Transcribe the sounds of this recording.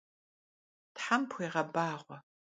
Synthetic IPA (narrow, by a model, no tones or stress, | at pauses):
tħampʰʷeːʁɐbaːʁʷɔ